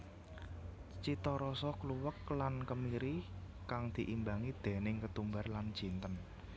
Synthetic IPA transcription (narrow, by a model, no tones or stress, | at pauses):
t͡ʃit̪ɔɾɔsɔkluwəklankəmiɾi | kaŋd̪̥i̤ʔimbaŋid̪̥e̤nɪŋkət̪umbarland̥ʒ̥i̤nt̪ən